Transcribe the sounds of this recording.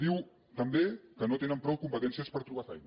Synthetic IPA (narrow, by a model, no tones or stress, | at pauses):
d̪iw | t̪əmbekənot̪enəmpɾɔwkumpət̪ɛnsiəspəɾt̪ɾuβ̞afɛjn